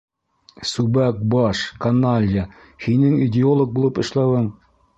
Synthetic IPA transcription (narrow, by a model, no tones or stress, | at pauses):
subæk̚bɑʃkɐnalʲja | hinɘŋidʲɪolˠok̚bulˠɤpɤ̆ʃlˠɑwɤɴ